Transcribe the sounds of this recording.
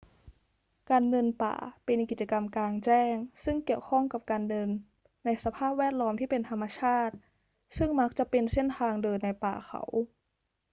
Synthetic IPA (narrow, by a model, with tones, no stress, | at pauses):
kaː˧nːɤ˧npa̰ː˨˩pe˧nki˨˩t͡ɕa˧ka˧mklaː˧ŋt͡ɕɛː˥˩ŋsɯ˥˩ŋki˨˩əwkʰɔ˥˩ŋka˨˩p̚kaː˧nːɤ˧nː | a˧jsa˧pʰaː˥˩p̚wɛː˥˩t̪̚lɔː˦˥mt̪ʰiː˥˩pe˧nt̪ʰa˧mːa˧t͡ɕʰaː˥˩t̪̚ | sɯ˥˩ŋma˦˥k̚t͡ɕa˨˩ʔpe˧nse˥˩nt̪ʰaː˧ŋdɤː˧nːa˧jpa̰ː˨˩xʰa̰˧˩˦w